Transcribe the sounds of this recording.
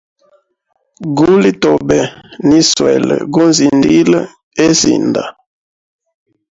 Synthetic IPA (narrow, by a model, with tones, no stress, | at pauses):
ɡu˦li˦to˨bɛ˨ni˦swɛ˨lə̰˨ɡu˦nzi˨ndi˦lə˦ | e˦zḭ˨nd̪a̰˨